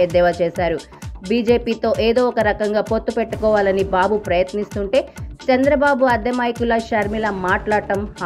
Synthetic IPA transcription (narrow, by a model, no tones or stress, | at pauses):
ed̪ɛʋɐt͡ʃeːsaːɾu | biːd͡ʒe̞ːpiːt̪o̞ːʔe̞ːd̪o̞ːɔkɐɾɐkɐŋɡaːpo̞t̪ːupeʈːukɔːʋaːlɐnibaːbupɾɐjɐt̪nist̪uɳʈe̞ːt͡ʃɐnd̪ɾɐbaːbuɐd̪jɐmaːjikulɐʃɐɾmilɐmaːʈlaːɽʈɐmha